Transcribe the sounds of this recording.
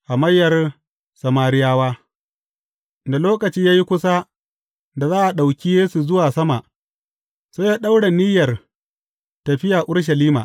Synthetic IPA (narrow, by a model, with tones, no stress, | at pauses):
ʔa˨mɐ˦jːɐ˨r | sɐ˨maː˨ɾɪ˦jaː˦waː˦ | da˨loː˦kɐ˨t͡ʃiː˦jaː˦ji˦kʷʊ˦sa˦ | da˨zaː˦ʔa˨ɗa˨wkʲi˦jeː˦su˨zʊ˦waː˨sɐ˦ma˨ʔ | sa˦jaː˦ɗa˦wɽa˨nɪ˦jɐ˨r | tɐ˨ɸɪ˦jaː˨ʔʊ˦ɽʃ̬ɐ˨liː˦ma̰˨